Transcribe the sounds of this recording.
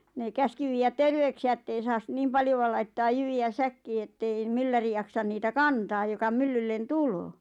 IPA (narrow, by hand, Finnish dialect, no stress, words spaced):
neˑ kæski ʋiːjæt terʋeyksiæ ĕtːei sɑːs niːm pɑljoʋɑ lɑitːɑːj jyʋiæ sækːiː etːei mylːæri jɑksɑn niːtæ kɑntɑːj jokɑ mylːylːen tuloː